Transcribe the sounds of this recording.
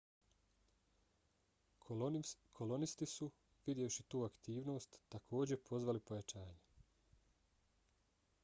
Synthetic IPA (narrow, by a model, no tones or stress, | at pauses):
kʰo̞lo̞nist̪isu | ʋid̪jeoʃit̪uːakt̪iːʋno̞ːst̪ːakʰo̞ːd͡ʑe̞pʰo̞zʋalipo̞jat͡ʃaːɲe